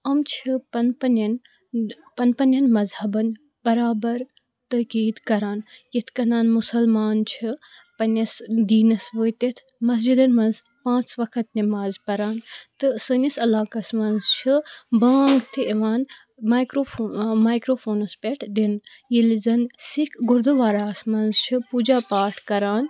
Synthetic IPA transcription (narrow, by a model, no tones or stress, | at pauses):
ɐmt͡ʃʰipɐnpɐnɐn | pɐnpɐnʲɐnmɐzhɐbɐn | b̥ɐɾaːbɐɾ | t̪ɐkiːd̪kɐɾaːnjit̪ʰkɐnaːnmʊsɐlmaːnt͡ʃʰi | pɐnʲɐsd̪iːnɐsʋəːjt̪it̪ʰ | mɐs̬d͡ʒid̪ɐnmɐnz | pãːt͡sʋɐkʰɐt̪nimaːzpɐɾaːnt̪ɨsɨnʲisɐlaːkɐsmɐnzt͡ʃʰibaːŋɡt̪ʰieʋaːn | maːjkɾoːmaːjkɾoːfʰoːnɐspʲeʈʰd̪in | jilzɐnsikʰɡʊɾd̪uʋaːɾaːsmɐnzt͡ʃʰipuːd͡ʒaːpaːʈʰkɐɾaːn